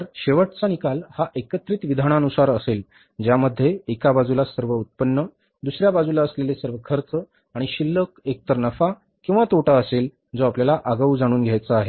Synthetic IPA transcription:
əɾɕeʋəʈt͡sanikalhaʔekət̪ɾiːt̪ʋid̪ʱaɳanusaɾəsel | d͡ʑjaməd̪ʱːjeekabad͡zulasəɾʋəut̪̚pənːə | d̪usɾjabad͡zulaəslelesəɾʋəkʰəɾt͡sə | aɽ̃iɕilːəkek̚t̪əɾnəfa | kĩw̃ʋat̪oʈaəsel | d͡zoapljalaʔaɡəud͡zaɽ̃uːnɡʱjajt͡səaɦe

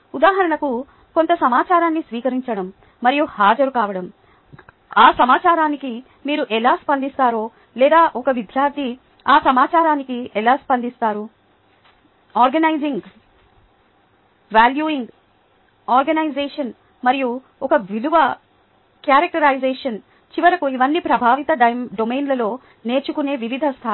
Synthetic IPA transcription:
ud̪aːɦɐɾɐɳɐku | ko̞nt̪ɐsɐmaːt͡ʃaːɾaːnːisʋiːkɐɾiɲt͡ʃɐɽɐmː | ɐɾijuhaːd͡ʒɐɾukaːʋɐɽɐm | aːsɐmaːt͡ʃaːɾaːniki | miːɾuʔɛlaːspɐnd̪ist̪aːɾoː | lɛːd̪aːʔɔkɐʋid̪ʱjaːɾt̪ʰi | aːsɐmaːt͡ʃaːɾaːnikiɛlaːspɐnd̪ist̪aːɾu | aːɾɡɐnɐjziŋɡ | ʋaːljuːiŋɡ | aːɾɡɐnɐjzeːʂɐn | mɐɾiju | ɔkɐʋiluʋɐ | kjaːɾɐk̚ʈɐɾɐjzeːʂɐn | t͡ʃiʋɐɾɐkuiʋɐnːipɾɐbʱaːʋit̪ɐɖɐɖomeːnlɐlo̞ː | ne̞ːɾt͡ʃukune̞ːʋiʋid̪ʱɐst̪ʰa

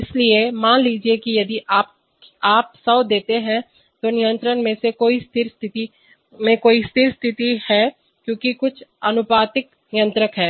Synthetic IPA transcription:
ɪsliemaːnliːd͡ʒiekijɐd̪iʔaːp | aːp̚sɐːd̪eːt̪eɦɛ̃ | t̪onɪjə̃nt̪ɾənmẽsekoːist̪ʰɪɾst̪ʰɪt̪i | mẽkoːist̪ʰɪɾst̪ʰɪt̪ihɛː | kjõːkikʊt͡ʃʰɐnʊpaːt̪ɪk | nɪjə̃nt̪ɾəkɦɛː

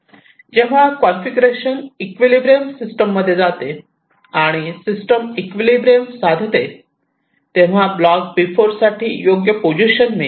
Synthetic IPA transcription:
d͡ʑeʋ̤akɔnfiɡɾeɕənikʋilibɾeəmsisʈəmːəd̪ʱːjed͡zat̪e | aɽ̃isisʈəmikʋilibɾeəmsad̪ʱt̪e | t̪eʋ̤ablɔk̚pifoɾsaʈʰiːjoɡjəpod͡ʑiɕənːe

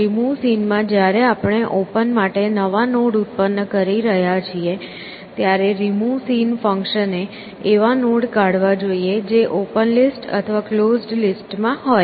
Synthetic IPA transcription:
ɾimusinmãd͡ʒjaɾeapɳ̃eʔopənmaʈenəʋanoɽut̪̚pənːəkəɾiɾəɦjat͡ʃʰie | t̪jaɾeɾimusinfəŋkʃəne | eʋanoɽkaɽʋad͡ʒoied͡ʒeʔopənlisʈə̰t̪ʰəʋaklozɖlisʈmãɦoj

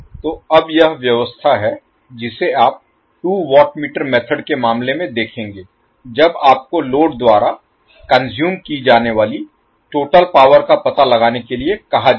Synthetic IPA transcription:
t̪oːɐbjɐɦʋjɐʋəst̪ʰaɦɛ | d͡ʒɪseaːp̚ | ʈuːʋɔːʈmiːʈəɾmɛːt̪ʰəɖkemaːmlemẽd̪eːkʰẽːŋɡeː | d͡ʒɐbaːp̚koloːɖd̪waːɾa | kɐ̃nzjuːmkid͡ʒaːneʋaːli | ʈoːʈəlpaːʋəɾkapɐt̪alɐɡaːnekeliekɐɦa

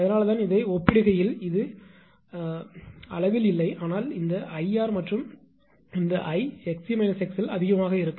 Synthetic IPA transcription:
ɐðɐnaːlɐt̪aːnɪðɐɪɔpːɪɽɯɣɐjɪlɪðɯ | ɐ̰ɭɐʋɪlɪlːɐɪʔaːnaːlɪnd̪ɐʔɐɪaːɾmɐʈrɯm | ɪnd̪ɐʔɐɪɛksimɐɪnɐsɛksɪlɐ̰ðɪɣɐmaːɣɐɪɾɯkːɯ

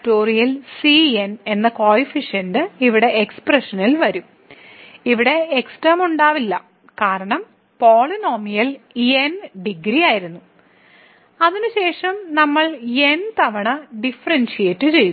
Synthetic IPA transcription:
tːoːrijɐlsiene̞nːɐko̞ːjifiʂɐndɨiʋiɽe̞ʔeksprɐʂɐnilʋɐɾum | iʋiɽe̞ːksʈɐmuɳɖaːʋilːɐ | kaːɾɐɳɐm | poːɭino̞ːmijɐlienɖiɡɾijaːjiɾunːu | ɐðinuɕe̞ːʂɐmnɐmːɐɭe̞nt̪ɐʋɐɳɐɖifɐrɐnɕijetːɨt͡ɕe̞ju

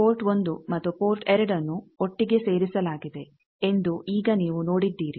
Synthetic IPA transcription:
poːɾʈʋond̪umɐt̪ːupo̞ːɾʈeɾɐɖɐnːuoʈːiɡe̞se̞ːɾisɐlaːɡid̪e̞ | end̪uʔiːɡɐniːʋuno̞ːɽid̪ːiːɾi

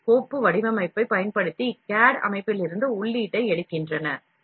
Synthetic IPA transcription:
koːpːɯʋɐɽɪʋɐmɐɪpːɐɪpɐjɐnpɐɽɯt̪ːikaːɽɐ̰mɐɪpːɪlɪɾɯnd̪ɯʊɭːiːʈːɐɪɛɽɯkːɪndrɐnɐ

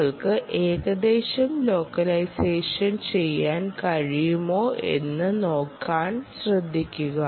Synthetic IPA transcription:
ɐɭkɨʔeːɣɐd̪e̞ːɕɐmlo̞ːkːɐlɐjseːʂɐnt͡ɕe̞jːaːnkɐɻijumo̞ːʔe̞̰nːɨno̞ːkːaːnɕrɨd̪ʱːikʲːuɣɐ

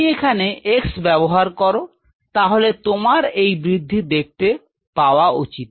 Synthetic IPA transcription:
ekʰaneeksbɛboɦaɾkɔɾo | t̪aɦolet̪omaɾejbɾid̪ʱːid̪ek̚ʰt̪e | paoaut͡ɕit̪

